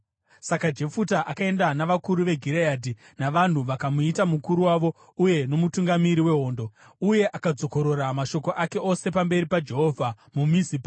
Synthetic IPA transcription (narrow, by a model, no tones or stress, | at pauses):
sakad͡ʒe̞futaʔakae̞ndanaʋakuɾuʋe̞ɡʱiɾejaːdʱi | naʋan̤uʋakamuitamukuɾuwaʋo̞ | uje̞no̞mutuŋɡamiɾiwe̞ɦo̞ːndo̞ | uje̞ʔakad͡zo̞ko̞ɾo̞ɾamaʃo̞ko̞ʔake̞ʔo̞se̞pambe̞ɾipad͡ʒe̞ɦovʱa | mumisipa